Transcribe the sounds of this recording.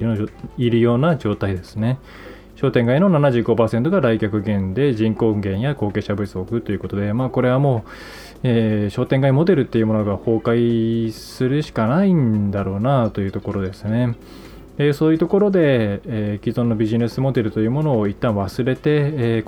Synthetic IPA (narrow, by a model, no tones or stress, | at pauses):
iɾɯ̟jo̞ːnad͡ʑo̞ːt̪aid̪e̞sɨne̞ | ɕo̞ːt̪ẽŋɡaino̞nanaʑɨɡo̞paːse̞nt̪o̞ɡaɾaikʲakɯ̟ɡẽ̞nd̪e̞ʑĩŋko̞ɡẽ̞ɰ̃jako̞ːke̞ːɕabɯsɨokɯ̟t̪ːo̞jiɯ̟ko̞t̪o̞d̪e̞maːko̞ɾe̞βamo̞ː | eːɕo̞ːt̪ẽ̞ŋɡaimo̞d̪e̞ɾɯ̟t̪ːe̞jɯ̟mo̞noɡaho̞ːkaisɨɾɯ̟ɕi̥kanaĩnd̪aɾo̞ːnat̪o̞jɯ̟ːt̪o̞ko̞ɾo̞d̪e̞sɨne̞ | eso̞ːjɯ̟t̪o̞ko̞ɾo̞d̪e̞kʲizõ̞nːo̞bʲiʑine̞sɨmo̞d̪e̞ɾɯ̟t̪o̞jɯ̟ːmo̞no̞ːit̪ːãɰ̃βasɨɾe̞t̪e̞